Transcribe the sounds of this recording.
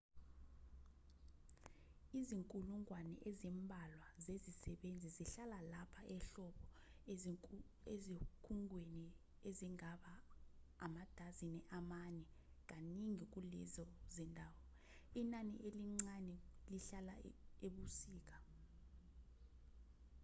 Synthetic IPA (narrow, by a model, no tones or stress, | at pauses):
iziŋkʼuluŋwanɛ̰ʔezimbʱalwazezisɛɓend͡zʱiziɬalalapʰaʔɛɬɔɓɔ | ezikʰuŋʱweni | eziŋaɓaː | mad̥ʱazinɛʔamanɛ | k̬aniŋik̬ulɛ̰zɔzɛndʱaːwɔ | inanḭʔeliŋ͡ǀanɛliɬalaeɓusiːk̬ḁ